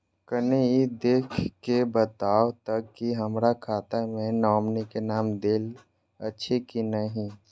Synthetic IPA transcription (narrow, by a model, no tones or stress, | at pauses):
kəneid̪eːkʰkebət̪aːot̪əkkːiɦəmɾakʰaːt̪amẽnɔːmnikenaːmd̪eːl | ətːʃʰekinəɦĩ